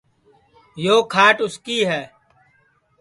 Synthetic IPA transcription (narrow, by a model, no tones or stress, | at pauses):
joːkʰaːʈʊskiːɦɛː